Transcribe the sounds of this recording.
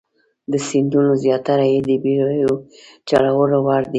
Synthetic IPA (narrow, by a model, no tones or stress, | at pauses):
d̪əsɪnd̪unozjɑt̪aɾajed̪əbijot͡ʃaɽawəlowɑɽd̪i